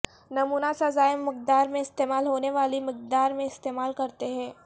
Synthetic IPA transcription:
nɐmuːnasazaːjəmːɪk̚d̪aːɾmẽɪst̪eːmaːlɦoːneʋaːlimɪk̚d̪aːɾmẽɪst̪eːmaːlkɐɾt̪eɦɛ̃ː

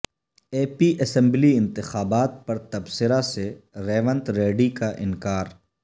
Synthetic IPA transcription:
eːpiʔɐsɛ̃mbliɪ̃nt̪ɪxaːbaːt̪̚pɐɾt̪ɐbsɪɾaseɾɛːʋə̃nt̪ɾeːɖikaʔɪnkaːɾ

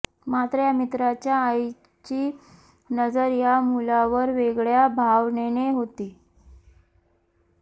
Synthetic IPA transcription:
mat̪ɾəjamit̪ɾat͡ɕjaːj | t͡ɕiː | nəd͡zəɾjamulaʋəɾʋeɡɭjabʱaʋneñeɦot̪iː

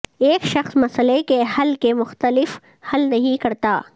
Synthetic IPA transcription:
eːkʃɐxsmɐsəlekehɐlkemʊxt̪əlɪf | hɐlnɐɦĩkɐɾt̪aː

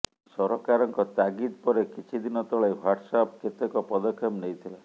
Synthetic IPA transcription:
sɔɾɔkaɾɔŋkɔt̪aɡid̪pɔɾekit͡ʃʰid̪inɔt̪ɔɭajwaʈsɔp̚ket̪ekɔpɔd̪ɔkʰːɔmnejt̪ʰila

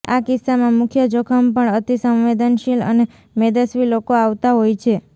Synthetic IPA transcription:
akɪsːamãmʊkʰjəd͡ʒokʰəmpəɳət̪isəmʋed̪ənʃilə̰ne | med̪əsʋilokoaʋt̪aɦojt͡ʃʰe

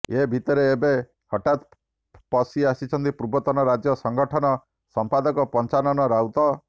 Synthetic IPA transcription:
ebʱit̪ɔɾeːbe | hɔʈat̪ | pɔsiasit͡ʃʰɔnt̪ipɾubɔt̪ɔnɔɾad͡ʒjɔsɔŋɡɔʈʰɔnɔ | sɔmpad̪ɔkɔpɔnt͡ʃanɔnɔɾawt̪ɔ

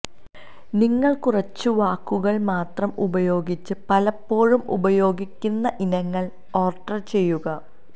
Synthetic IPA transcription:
niŋːɐɭkurɐt͡ɕːɨʋaːkːuɣɐɭmaːt̪rɐmubɐjo̞ːɡit͡ɕːɨpɐlɐpːo̞ːɻumṵbɐjo̞ːɡikʲːunːɐʔinɐŋːɐɭ | o̞ːrʈːɐrt͡ɕe̞jːuɣɐ

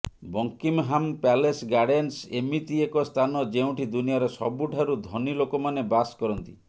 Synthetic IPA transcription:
bɔŋkimɦampalesɡaɽensemit̪iekɔst̪ʰanɔd͡ʒeũʈʰid̪unijɔɾesɔ̰buʈʰaɾud̪ʱɔnilokomanebaskɔɾɔnt̪i

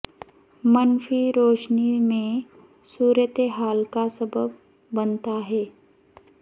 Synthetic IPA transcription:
mənfʰiɾoːʃnimẽ | suːɾjət̪eɦaːlkasəbəbː | ənt̪aɦɛː

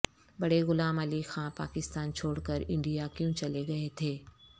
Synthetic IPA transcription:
bɐɽeɣʊlaːməlixãpa̰ːkɪst̪aːnt͡ʃʰoːɽkəɾɪ̃ɳɖijakjũt͡ʃɐleɡɐet̪ʰeː

